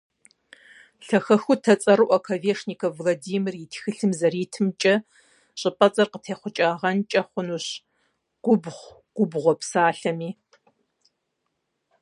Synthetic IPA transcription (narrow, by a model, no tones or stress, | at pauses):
ɬɐxɐxʊtʰɐt͡sʼɐɾɨʔʷɐkʰɐveːʂnikʰɐvlˠɐdiːmirjitʰxɨɬɨmzɐriːtʰɨmt͡ʃʼɐ | ɕʼɪpʼɐt͡sʼɐrqətʰeːχʷʊt͡ʃʼaːʁɐnt͡ʃʼɐχʷʊnuːɕ | ɡ̥ʷʊbʁʷ | ɡ̥ʷʊbʁʷɔpsaːɬɐmiː